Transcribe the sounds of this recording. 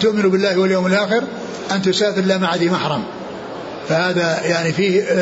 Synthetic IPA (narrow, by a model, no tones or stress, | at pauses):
t̪ʊʔmɪnubɪlːaːhwaljoːmɪlʔaːxɪɾ | ʔant̪ʊsaːfɪɾlamaʕaðimaħɾˤɑm | fahaːðajaʕnifiːh